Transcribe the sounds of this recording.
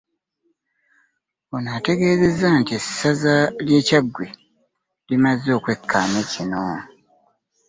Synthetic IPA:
onate̞ɡe̞ːze̞zantiesazalje̞ːcaɡwi | limazo̞ːkwe̞kʰːaːmecino

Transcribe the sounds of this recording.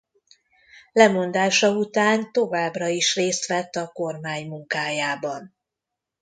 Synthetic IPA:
lɛmo̞nd̪aːʃɒut̪aːnt̪o̞vaːbrɒiʃreːst̪ʋɛt̪ːɒko̞rmaːɲmuŋkaːjaːbɒn

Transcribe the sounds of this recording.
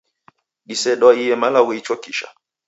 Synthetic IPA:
ɗisɛɗɔijɛmalawiit͡ʃɔkiʃa̰

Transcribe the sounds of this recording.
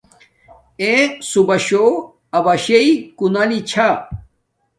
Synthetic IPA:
esubɐɕo | ɐbɐɕeikunalit͡ɕʰa

